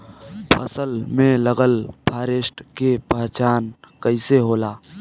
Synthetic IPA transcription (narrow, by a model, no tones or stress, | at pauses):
pʰəsəlmẽləɡəlpʰaːɾesʈkepəɦt͡ʃaːnkəɪseɦoːlaː